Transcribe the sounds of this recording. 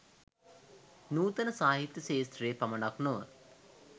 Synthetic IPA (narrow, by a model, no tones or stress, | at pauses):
nuːt̪ənəsaːɦit̪jəseːst̪reːpɐmənaknoʋə